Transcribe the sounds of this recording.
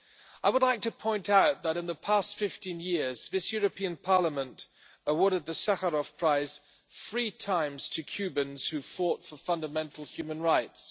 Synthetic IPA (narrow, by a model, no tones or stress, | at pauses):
aɪwədˡlaɪk̚tʰɨpʰɔ̃ɪ̃ntaʊt̪̚ðəɾɨ̃nðəpʰæstfɪftĩnjɪɹz̥ðɪsjʊɹɨpʰĩə̃npʰɑɹləmə̃nt | əwɔɹɾɨd̪̚ðɨsahəɹɔfpʰɹ̥aɪz̥ | fɹitʰãɪ̃mz̥tʰɨkʰj̥ʉbɨ̃nz̥hʉfɔtfəfʌ̃ndəmɛ̃ntʰˡl̩ˠhjʉmə̃nɹaɪts